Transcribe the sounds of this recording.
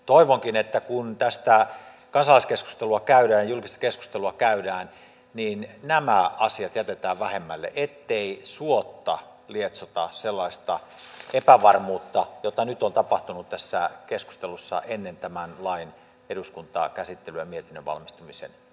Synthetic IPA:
t̪oiʋoŋkinet̪ːækunt̪æst̪æ | kɑnsɑlˑɑiskesku̥st̪eluɑkæyɾæːjɑjulkist̪ɑ̥kesku̥st̪eluɑkæydæːn | niːnnæmæɑsiɑt̪jæt̪et̪æːʋʋæhemːælːḛʔet̪ːeisuot̪ːɑ | liet̪sot̪ɑselːɑist̪ɑ | epæʋɑrmuːt̪ːɑjot̪ɑnyt̪ont̪ɑpɑht̪unut̪t̪æsːækesku̥st̪elusːɑ̰ʔenːent̪æmænlɑin | eɾuskunt̪ɑ̰kæsit̪ːelyjɑmiet̪inːøʋʋɑ̰lmist̪umisḛn

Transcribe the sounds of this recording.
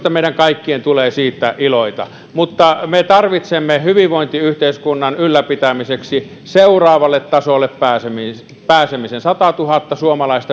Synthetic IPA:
t̪ɑmeˑiɾæŋkɑikːient̪uleːsiːt̪ːæʔiloit̪ɑ̰ | mut̪ːɑmet̪ɑrʋit̪semːehyʋiʋʋoint̪iyht̪eˑiskunːɑnylːæpit̪æmiseksi | seurɑːʋɑlːet̪tɑsolːeppæːsemi | pæːsemisensɑt̪ɑt̪uhɑt̪ːɑsuomɑlɑˑist̪ɑ

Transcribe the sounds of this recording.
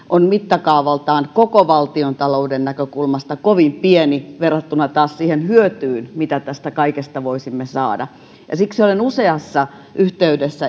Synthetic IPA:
ʔonmit̪ːɑkɑuʋɑlt̪ɑːnkokoʋɑlt̪iont̪ɑloudennækøkulmɑst̪ɑkoʋimpieniʋerːɑt̪ːunɑt̪ɑːssiːhenhyøt̪yːnmit̪æt̪æst̪ækɑikest̪ɑʋoisimːesɑ̰ːdɑ̰ | jɑ̰sikseolenuseɑsːɑ | ʔyht̪eydesːæ

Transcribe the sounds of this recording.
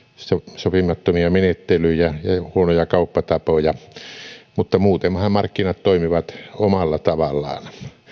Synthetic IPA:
sosopimˑɑt̪ːomiɑmenet̪ːelyijæjɑhuonojɑkɑˑupːɑt̪ɑpojɑ | mut̪ːɑmuːt̪emhɑmmɑrkːinɑt̪toˑimiʋɑt̪omɑlːɑt̪ɑʋɑlːˑɑ̰ːn

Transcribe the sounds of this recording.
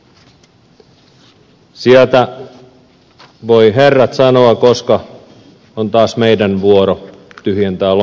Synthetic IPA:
siælt̪æ | ʋoiɦerːɑt̪sɑnoɑkoskɑ | ont̪ɑːsmeidænʋuoɾo | t̪yhjent̪ɑl

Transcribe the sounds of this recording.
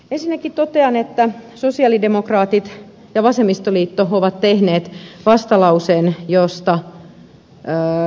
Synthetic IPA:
ensinːækit̪ot̪eɑnet̪ːæsosiɑlidemokrɑːt̪it̪ | jɑʋɑsemːist̪oliːt̪ːooʋɑt̪t̪ehneːt̪ʋɑst̪ɑlɑuseːnjost̪ɑ

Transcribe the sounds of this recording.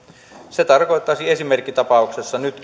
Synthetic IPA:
set̪ɑrkoet̪ːɑsiesimerkːit̪ɑpɑuksesːɑnyt̪

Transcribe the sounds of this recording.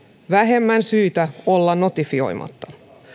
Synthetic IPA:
ʋæɦe̞mːænsyːt̪æolːɑno̞t̪ifio̞̰jmʔɑ̰t̪ːɑ

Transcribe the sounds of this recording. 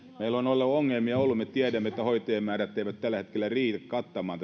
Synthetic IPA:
meilonolːuoŋːelmiɑolːummet̪iædæmːet̪ːæhoit̪eːmmæːræt̪ːeˑiʋæt̪t̪ælːæet̪kelːˑæriːt̪ækkɑt̪ːɑmɑːnt̪

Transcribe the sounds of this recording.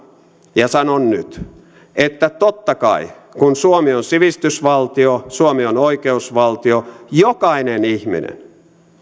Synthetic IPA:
jɑsɑnonnyt̪ | et̪ːæt̪ot̪ːɑkɑ̰i | kunsuomionsiʋist̪ysʋɑlt̪iosuomionoikeusʋɑlt̪iojokɑinenihmḭnḛn

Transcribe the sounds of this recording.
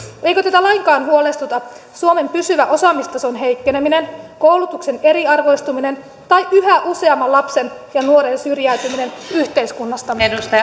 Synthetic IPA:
e̞jkøt̪æt̪ælɑjŋkɑːnɦuole̞st̪ut̪ɑ | suome̞mpysyʋæʔo̞sɑmist̪ɑso̞nɦe̞jkːe̞ne̞mine̞nkowlut̪ukse̞neɾiɑrʋo̞ist̪umine̞n | t̪ɑjyɦæʔuse̞ɑmːɑlɑpse̞njɑnuoɾe̞nsyrjæyt̪ymine̞nyht̪e̞iskunːɑst̪ɑenust̪ɑ

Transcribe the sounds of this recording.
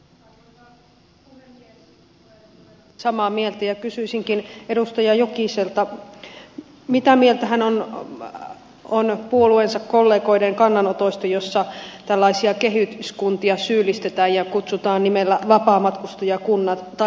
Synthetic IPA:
sɑmɑːmielt̪æjɑkysyisiŋkine̞dust̪ɑjɑjokiselt̪ɑ | mit̪æmielt̪æɦænon | onpuoluensɑkko̞lːe̞ːko̞ideŋkɑnːɑnot̪oist̪ɑjo̞sːɑt̪ælːɑisiɑke̞ɦyt̪yskunt̪iɑsyːlist̪e̞t̪æːjjɑkut̪sut̪ɑːnnimelːæʋɑpɑːmɑt̪kust̪ojɑkunːɑt̪t̪ɑ

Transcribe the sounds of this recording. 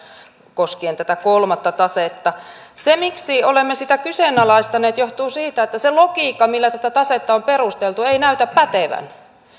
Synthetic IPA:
koskient̪æt̪ækolmɑt̪ːɑt̪ɑset̪ːɑ | semiksiolemːesit̪ækysenɑlɑist̪ɑneːt̪joht̪uːsiːt̪æet̪ːæselokiːkːɑmilːæt̪æt̪æt̪ɑset̪ːɑomperust̪elt̪ueinæyt̪æppæt̪eʋæ̰n

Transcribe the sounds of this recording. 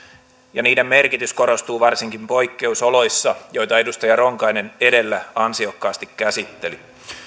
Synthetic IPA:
jɑniːdemmerkit̪ysko̞ɾo̞st̪uːʋɑrsiŋkimpo̞ikːe̞usolo̞jsːɑjo̞jt̪ɑe̞dust̪ɑjɑro̞ŋkɑjne̞ne̞de̞lːæɑnsio̞kːɑːst̪ikkæsit̪ːe̞li

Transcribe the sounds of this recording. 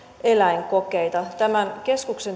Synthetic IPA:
e̞læiŋkokejt̪ɑt̪æmænke̞skukse̞n

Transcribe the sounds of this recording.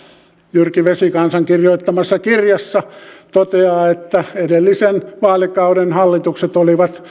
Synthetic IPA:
jyrkiʋesikɑnsɑŋkirjoit̪ːɑmɑsːɑkirjɑsːɑt̪ot̪eɑːet̪ːæedelːisenʋɑːlikɑuɾenhɑlːit̪ukset̪oliʋɑt̪

